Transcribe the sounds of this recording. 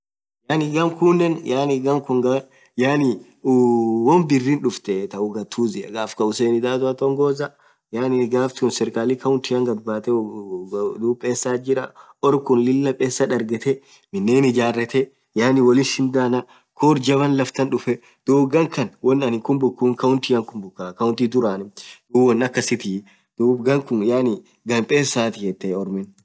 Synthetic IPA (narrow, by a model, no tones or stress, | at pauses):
jaːnɪɡɐmkuːnːɛnjaːnɪɡɐmkʊŋɡɐ | jaːnɪ | wɔnbɪrːinᶑʊft̪ɛt̪ɐʔʊɡɐt̪ʰːuːzɪɐ̰ɡaːfkɐʊseːnɪd̪aːt̪ʊɐt̪ɔŋɡoːzɐ | jaːnɪɡaːft̪unsɛɾkaːlɪkɐʊnt̪ɪjɐŋɡɐt̪̚baːt̪ɛ | d̪uːpʼːeːsːaːd͡ʒɪɾɐ | ɔɾkʊnlɪlːɐpʼeːsːɐᶑɐɾɡɛt̪ɛ | mɪnːeːnɪd͡ʒaːrːɛt̪ɛ | jaːnɪwɔlɪnʃɪnd̪aːnɐ | kʰoːɾd͡ʒɐbɐnlɐft̪ɐnᶑʊfɛ | d̪̥uːbɡɐŋkɐnwɔnːɐnɪkʊmbʊkːuːŋkɐʊnt̪ijɐŋkʊmbʊkːaːkɐʊnt̪id̪ʊɾaːnɪd̪uːbɔnːɐkːɐsɪt̪ɪ | d̪̥uːbɡɐŋkʊŋjaːnɪ | ɡɐmpʼeːsaːt̪ɪhɛt̪ːeɔɾmɪn